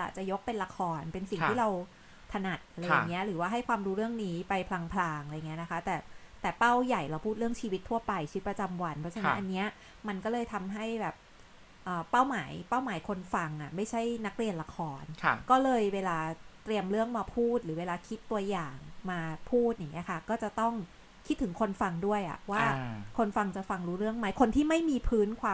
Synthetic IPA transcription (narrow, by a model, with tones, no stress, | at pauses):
ʔa̰˨˩t͡ɕa˨˩jo˦˥k̚pe˧nla˧kʰɔː˧npe˧nsi˨˩ŋt̪ʰiː˥˩ɾa˧w | t̪ʰa˧na˨˩t̪̚ʔa˧ɾa˧a˧ja˨˩ŋːi˦˥ɐʔɾɯː˩˦waː˥˩ɦa˥˩jkʰwaː˧mɾuː˦˥ɾɯ˥˩əŋniː˦˥pa˧jpʰlaː˧ŋpʰlaː˧ŋʔa˧jːi˦ɐ˥˧na˦˥kʰa˦˥t̪ɛː˨˩t̪ɛː˨˩pa˥˩wja˨˩jɾa˧wpʰuː˥˩t̪̚ɾɯ˥˩əŋt͡ɕʰiː˧wi˦t̪ʰːu˥˩ɐpa˧jt͡ɕʰɯ˧˦˥pɾa˧t͡ɕa˧mwa˧npʰɾɔ˦˥t͡ɕʰa˧˥na˦˥nʔa˧nːi˦˥ɐ | ma˧nkɔː˥˩lɤː˧jt̪ʰa˧mɦa˥˩jbɛː˨˩p̚ | ʔəː˨˩a˥˩wmaː˩˦jpa˥˩wmaː˩˦jkʰo˧nfa˧ŋʔa˨˩ma˥˩jt͡ɕʰa˥˩jna˦˥k̚ɾi˧ənla˧kʰɔː˧nʰ˧kɔː˥˩lɤː˧jweː˧laː˧t̪ɾi˧əmɾɯ˥˩əŋmaː˧pʰuː˥˩t̪̚ɾɯː˩˦weː˧laː˧kʰi˦˥t̪ːu˧ɐjaː˨˩ŋmaː˧pʰuː˥˩t̪̚ja˨˩ŋːi˦˥ɐkʰa˥˩kɔː˥˩t͡ɕa˨˩t̪ɔ˥˩ŋ | kʰi˦˥t̪ʰːɯ˩˦ŋkʰo˧nfa˧ŋdu˥˩əjʔa̰˨˩ʔwaː˥˩kʰo˧nfa˧ŋt͡ɕa˨˩fa˧ŋɾuː˦˥ɾɯ˥˩əŋma˦˥jkʰo˧nt̪ʰiː˥˩ma˥˩jmiː˧pʰɯː˦˥nkʰwaː˧